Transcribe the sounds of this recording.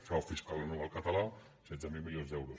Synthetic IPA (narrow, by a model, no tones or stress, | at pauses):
fawfiskalənuβɛlˠkət̪əla | sɛd̪zəmilˠmilionzd̪ɛwɾus